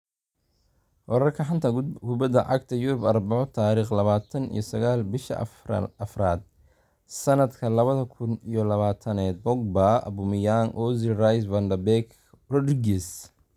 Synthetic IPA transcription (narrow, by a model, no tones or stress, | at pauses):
wɔɾɐrkʰɐħant̪ʰɐkʰʊbɐd̪ɐʕɑɡt̪ʰɐjʊɾʊbɐrbɑʕɔt̪ʰaːɾiːχlɐβaːt̪ʰɐnḭjɔsɐɣaːlbɪʃɐ̰ʔɐfraːd̪̚ | sɐnɐd̪kʰɐlɐβɐðɐkʰʊnijɔlɐβaːt̪ʰɐnɛːd̪̚bɔɡ̚baɐ̰bʊmɪjaŋʔɔzɪrajsvɐnd̪ɐbɛk | rɔdɾɪɡɛs